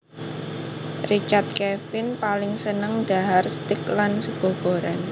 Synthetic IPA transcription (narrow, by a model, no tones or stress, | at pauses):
rit͡ʃart̪̚kɛfɪnpalɪŋsənəŋɖ̥a̤ɦarst̪ɪklansəɡ̥o̤ɡ̥o̤ɾan